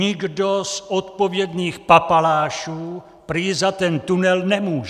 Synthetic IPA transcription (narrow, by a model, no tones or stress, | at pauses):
ɪɡdozɔt̪povjɛd̪niːxpapalaːʃuː | pɾizat̪ɛnt̪unɛlnɛmuːʒɛ